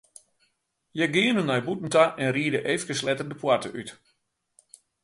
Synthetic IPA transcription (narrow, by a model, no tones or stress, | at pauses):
jɛɡɪənənɔjbutn̩taʔɛnriədəʔeːfkəslɛtərdəpwartəʔyt